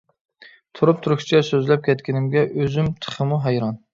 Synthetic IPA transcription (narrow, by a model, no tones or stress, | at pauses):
t̪ʰuɾup̚t̪ʰuɾuʃt͡ʃʰɛsøzlɛp̚kʲʰɛt̪kʲɪnɪmɡʲɛʔøzymt̪ʰə̥χəmuɦɛjɾɑn